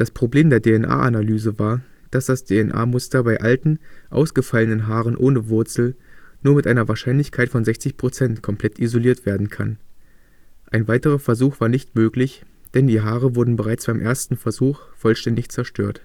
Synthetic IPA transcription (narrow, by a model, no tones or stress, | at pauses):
d̥aspʁ̥obleːmdeːɐdeːɛnʔa̰ːʔanalyːzəvaːɐ | d̥asd̥asd̥eɛnʔa̰ːmʊstɐbaɪʔaltn̩ʔa̰ʊsɡ̥əfalənənɦaːʁ̞ənʔoːnəvʊɐt͡sl̩nuːɐmɪtʔaɪnɐvaːɐʃaɪnlɪçkʰaɪtfɔnzɛçt͡sɪçpʁ̥ot͡sɛntkʰɔmpʰl̥ɛtʰʔizoliːɐtv̥eːɐdn̩kʰa̰n | ʔaɪnvaɪtəʁ̞ɐfɛɐzuːxv̥aːɐnɪçtmøːklɪç | d̥ɛndiːɦaːʁəvʊɐdn̩bəʁaɪt͡sb̥aɪmʔeːɐstn̩fɛɐzuːxfɔlʃtɛndɪçt͡sɛɐʃtʰø̰ːɐt